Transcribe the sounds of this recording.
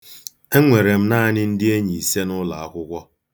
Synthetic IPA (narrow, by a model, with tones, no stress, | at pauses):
e˦ŋʷe˨ɾe˨m̩˦na˦a˦nɪ˦n̩˦dɪ˦e˦ɲi˨i˨se˦nʊ˦la˨a˦kʷʊ˦kʷɔ˦